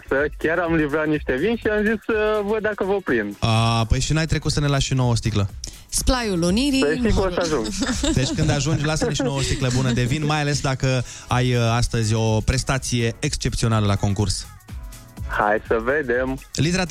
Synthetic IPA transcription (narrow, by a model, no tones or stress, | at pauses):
səkʲaɾamlivɾat̪niʃt̪e̞vinʃiamzisvəd̪akəvəpɾind̪apəjʃinajt̪ɾe̞kut̪sənelasʃino̞wost̪iklə | splajuloniɾiəʃikoaʒuŋɡd̪e̞t͡ʃkɨnd̪aʒund͡ʒlasəniʃnowəst̪ikləbunəd̪e̞vinmajale̞sd̪akə | ajast̪əzʲo̞pɾe̞st̪at̪sije̞ekst͡ʃe̞p̚t̪sio̞naləlako̞ŋkurs | ha̰jsəved̪emlit̪eɾa